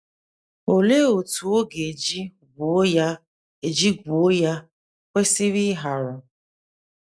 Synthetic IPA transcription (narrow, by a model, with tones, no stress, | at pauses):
o˨le˦o˨tu˨o˦ɡe˨d͡ʒi˦ | ɡu˨˦ja˦ | e˨d͡ʒi˦ɡʷu˨o˦ja˦ | kʷe˦si˦ɾi˦ɦa˨ɾʊ˨